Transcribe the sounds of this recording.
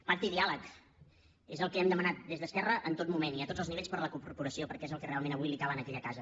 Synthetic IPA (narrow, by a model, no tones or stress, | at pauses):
paɾt̪iðialək | ezəlˠkɛmd̪əmənat̪̚d̪ezðəskɛrəʔənt̪ot̪̚mumeniət̪od͡zəlˠzniβeʎspəɾləkuɾɾpuɾəsiopəɾkɛezəlˠkərealˠmenəβujlikaβənəkɛʎəkazə